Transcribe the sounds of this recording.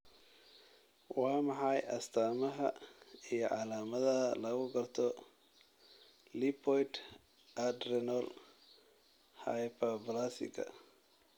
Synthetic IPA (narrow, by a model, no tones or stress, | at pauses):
wɑːmɑħɑjʔɐst̪ʰaːmɐɦɐijɞʕɑlaːmɐðɐɐlɐɣʊɡɐrt̪ʰɔ | lipʰɔjt̪ | ʔɐd̪ɾɛnɔl | ha̰jpʰɐblasɪ̰kʰɐ̰